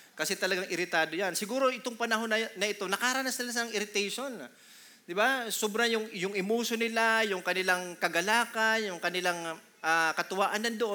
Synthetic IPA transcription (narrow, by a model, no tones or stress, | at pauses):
kɐsɛt̪ɐlɐɡaŋʔɪɾɪt̪aːd̪o̞jansɪɡuːɾo̞ʔɪt̪oŋpɐnɐɦo̞nɐnɐʔɪt̪o̞nɐkaːɾanasnɪlasɪlaŋɪɾɪt̪ɛjʃo̞n | d̪ɪbasobɾɐŋjʊŋjʊŋʔɪmuːsonɪlajʊŋkɐnɪlaŋkɐɡɐlaːkɐnjʊŋkɐnɪlaŋ | ʔaːkɐt̪ʊwaːʔɐnlɐnd̪oʔo